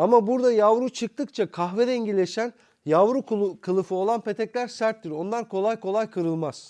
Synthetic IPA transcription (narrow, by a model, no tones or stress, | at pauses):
amabuɾd̪ajavɾut͡ʃʰɯk̚t̪ʰɯkt͡ʃʰakʰaxved̪ɛɲɟilʲe̞ʃæn | javɾukʰˠkʰɯlˠɯfɯo̞lˠanpe̞t̪ʰɛclʲæɾsæɾt̪ːiɾo̞nlˠaɾkʰo̞lˠajkʰo̞lˠajkʰɯɾɯlˠmaz̥